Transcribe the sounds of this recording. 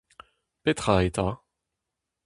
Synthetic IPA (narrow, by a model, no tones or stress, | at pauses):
pet̪χajt̪a